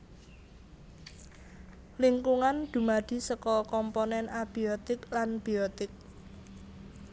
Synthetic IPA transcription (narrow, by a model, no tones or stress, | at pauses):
liŋkuŋand̪̥ṳmad̪̥i̤səkɔkɔmponɛnab̥iot̪ɪklanb̥iot̪ɪk̚